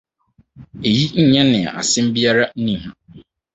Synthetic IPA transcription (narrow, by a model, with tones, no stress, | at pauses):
e˨ji˦ɲ̩˦ɲɛ̃˦nɪ̃˨a̰˨ʔa̰˨sɪ̃˦m̩˦bi˦a˦ɾa˦nĩ˨ɦã˨